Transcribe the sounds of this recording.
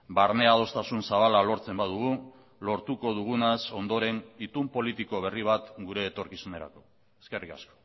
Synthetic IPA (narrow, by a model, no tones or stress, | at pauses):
baɾne̞að̞o̞st̪asunsaβalalo̞ɾt͡se̞mbað̞uɣ̞u | lo̞ɾt̪uko̞ð̞uɣ̞unaso̞nd̪o̞ɾe̞nit̪umpo̞lit̪iko̞β̞e̞riβ̞at̪ɡuɾe̞ːt̪o̞ɾkisune̞ɾa̰ko̞ | eske̞rika̰sko̥